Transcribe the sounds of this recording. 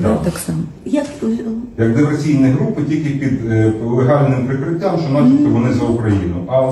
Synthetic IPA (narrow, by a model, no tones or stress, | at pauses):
d̪t̪aksɑmɐ | jɐkt̪ɔjɐkd̪ɪʋesʲijnɪɦɾupɪtʲilʲkʲɪpʲid̪lˠeɦɑlʲnɪmpɾɪkɾɪtʲːamʃt͡ʃɔmɑt͡ʃɪt̪ʲk̪ʲːɛʋɔnɪzɐʊkɾɐjinʊʔɐ